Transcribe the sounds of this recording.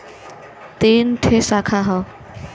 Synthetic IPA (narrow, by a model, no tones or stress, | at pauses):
t̪enʈʰesakʰaɦɔ